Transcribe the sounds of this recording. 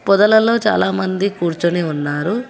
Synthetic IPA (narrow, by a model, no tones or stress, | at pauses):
pɔd̪ɐlɐlo̞ːt͡ʃa̰ːlaːmɐnd̪ikuːɾt͡ʃuniunːaːɾu